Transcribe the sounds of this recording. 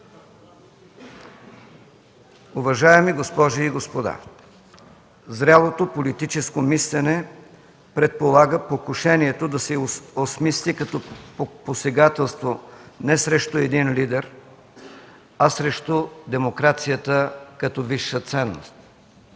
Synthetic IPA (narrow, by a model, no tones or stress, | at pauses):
ʊvɐʒaɛmiɡospɔʒiːɡospod̪a̰ | zɾʲalˠot̪opolit̪it͡ʃɛskomislɛnɛ | pɾɛt̪̚polˠaɡəpokʊʃɛniɛt̪od̪ɐsɛosmislikɐt̪ɔposɛɡat̪ɛlˠst̪vonɛsɾɛʃt̪oɛd̪inlid̪ɛɾ | ɐsɾɛʃt̪od̪ɛmokɾat̪sijət̪əkɐt̪ɔviʃːət̪sɛnːo̰st̪